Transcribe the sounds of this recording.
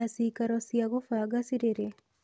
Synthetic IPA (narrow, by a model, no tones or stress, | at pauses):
asikaɾɔsjaɣofaɡasiɾeɾe